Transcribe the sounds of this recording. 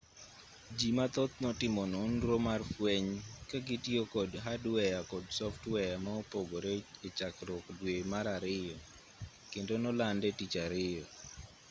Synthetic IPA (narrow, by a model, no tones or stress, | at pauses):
d͡ʒimat̪ot̪̚nɔtɪmɔnʊnɾomarfweɲkaɡɪtjokɔdɦadwɛjakɔdsɔftwɛjamaopoɡoɾet͡ʃet͡ʃakɾɔkdwemaɾaɾɪjɔ | kɪndonɔlandɛtit͡ʃaɾɪjɔ